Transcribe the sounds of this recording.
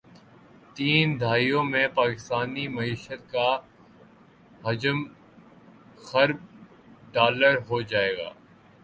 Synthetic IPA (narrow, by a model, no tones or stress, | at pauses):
t̪iːnd̪ʱaːijõmẽpaːkɪst̪aːnimɐiːʃət̪̚ka | ɦɐd͡ʒəm | xɐɾb̚ | ɖaːləɾɦod͡ʒaːeːɡa̰ː